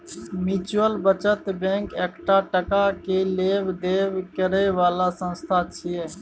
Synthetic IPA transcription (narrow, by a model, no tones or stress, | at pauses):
mit͡ʃəlbət͡ʃət̪bẽŋkekʈaʈəkakelebd̪ebkəɾɛʋaːlasə̃nst̪ʰat͡ʃʰije